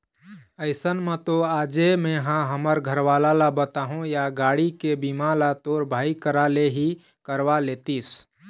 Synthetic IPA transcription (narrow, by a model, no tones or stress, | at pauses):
əɪsənmet̪oaːd͡ʒemẽɦãɦəməɾɡʱəɾʋaːlalabət̪aɦõjaɡaːɽikebimãlat̪oːɾbʱaːikəɾaleɦi | kəɾʋalet̪is